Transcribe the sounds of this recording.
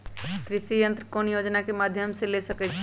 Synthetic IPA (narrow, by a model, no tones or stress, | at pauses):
k̪ɾɪʃijə̃nt̪ɾəkoːnjoːd͡ʒnakemaːd̪ʱjəmselesɐkɛt͡ʃʰ